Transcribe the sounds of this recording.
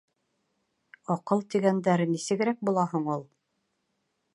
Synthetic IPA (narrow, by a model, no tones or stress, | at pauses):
ɑqɤlˠt̪iɡænd̪æɾnisɘ̆ɡɘ̆ɾæk̚bulˠɑɦɤɴulˠ